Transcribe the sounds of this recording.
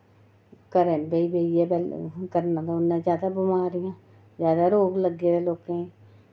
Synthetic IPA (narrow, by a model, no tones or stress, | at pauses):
kəɾebeibeiɛːbɛlkəɾnãːd̪aːʊnːãːzjaːd̪aːbɪmaːɾɪjãː | zjaːd̪aːɾoːɡləɡeːd̪eːloːkẽ